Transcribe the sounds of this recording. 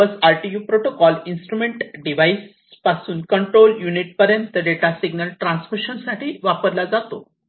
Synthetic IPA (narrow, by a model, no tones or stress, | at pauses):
əsaɾʈijuːpɾoʈokɔlinsʈɾumeɳʈɖiʋais | pasuːnkəɳʈɾoljuniʈ̚pəɾjənt̪əɖeʈasiɡnəlʈɾãnsmiɕənsaʈʰiːʋapəɾlad͡zat̪o